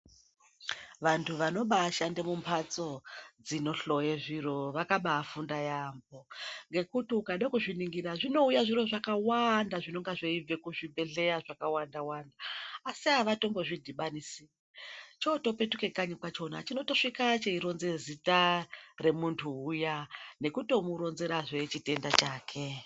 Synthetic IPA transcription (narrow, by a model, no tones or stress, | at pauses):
ʋantʰuʋano̞ɓaːʃande̞mumpʰat͡so̞d͡zino̞ɬo̞jeʐiɾo̞ʋakaɓaːfundajambo̞ŋɡe̞kutiukaɗakuʐiniŋɡiraʐino̞ujaʐiro̞ʐakawandaʐino̞ŋɡaʐoib͡ve̞kuʐibʱe̞ɮe̞aʐakawandawandaːsiɦaʋato̞mbo̞ʐidʱiɓanisi | t͡ʃo̞to̞pe̞tuke̞kaɲikwat͡ʃo̞na̰t͡ʃino̞to̞ʂikat͡ʃeiɾo̞nze̞zitare̞muntʰuːjane̞kuto̞muɾo̞nze̞ɾaʐe̞t͡ʃite̞ndat͡ʃaːkʰe